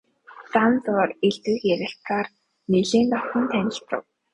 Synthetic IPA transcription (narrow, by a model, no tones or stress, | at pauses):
t͡sant͡sʊːreɮt̪wɘːkjæɾʲɪ̆ɬt̪raːr | neɮeːnt̪ɔ̥t̪ə̆nt̪ʰænʲɪ̆ɬt̪ə̰̆w